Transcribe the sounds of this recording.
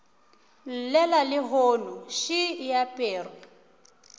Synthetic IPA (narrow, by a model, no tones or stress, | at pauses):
lɛlalɪɦoːnuʃijapʼeːrɛ